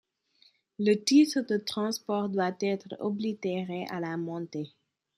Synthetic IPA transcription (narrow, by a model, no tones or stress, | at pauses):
lət̪it̪ʁəd̪ət̪χɑ̃spɔʁd̪wat̪ɛt̪ʁəɔblit̪eʁeʔa̰lamɔ̃t̪e